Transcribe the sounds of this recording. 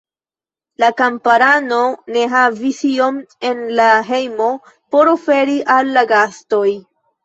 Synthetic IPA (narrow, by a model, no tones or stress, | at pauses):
lakampaɾano̞ne̞ɦavisio̞me̞nlaɦe̞jmo̞ | po̞ɾo̞fe̞ɾiʔalːaɡasto̞j